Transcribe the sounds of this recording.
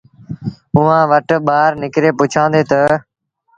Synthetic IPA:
ʊːãːʋəʈɓaːɾnɪkɾeːpʊt͡ʃʰãːnd̪eːt̪ə

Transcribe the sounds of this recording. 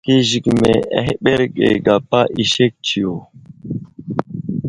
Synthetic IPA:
keʑikmeeɦɓeɾɡḛɡapaʔiɕek̚t͡ɕʰijo

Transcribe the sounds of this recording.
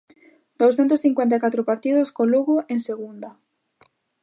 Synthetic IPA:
d̪̥owsθɛnt̪ʊsθiŋkwɛnt̪̬akat̪ɾʊpaɾt̪iðʊskoluɣʊʔeŋseɣund̪ɐ

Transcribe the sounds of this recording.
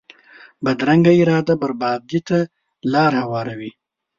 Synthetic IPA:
bad̪ɾaŋɡaɪɾɑːd̪abaɾbɑːd̪it̪a | lɑːɾhawɑːɾawi

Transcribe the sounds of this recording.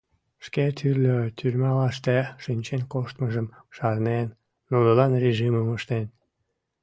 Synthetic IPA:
ʃket̪ʰyrlʲøt̪ʰyrʲmɑlɑʃt̪eʃinʲt͡ɕenkoʃt̪məʒəm | ʃɑrnenː | unəlɑnrʲeʒiməməʃt̪en

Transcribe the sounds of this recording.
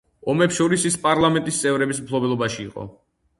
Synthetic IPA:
ɔmɛpsʃɔɾisispʼaɾlˠamɛnt̪ʼist̪sʼɛvɾɛbismpʰlˠɔbɛlˠɔbaʃḭːqʼɔ̰

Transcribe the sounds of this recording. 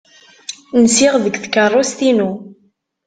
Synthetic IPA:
nsɪʁðəɡθkːərˤːost̪inu

